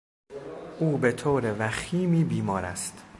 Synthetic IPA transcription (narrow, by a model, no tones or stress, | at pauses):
ʔuːbe̞t̪ʰoːɾevæxiːmiːbiːmɒːɾæ̰st̪